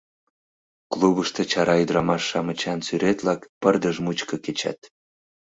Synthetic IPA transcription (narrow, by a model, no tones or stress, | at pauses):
kluβəʃt̪ɤ̆t͡ɕɑɾɑyd̪ɾɑmɑʃːɑmət͡ɕɑnsyɾet̪lɑkpərd̪əʒmut͡ɕkɤket͡ɕɑ̰t̪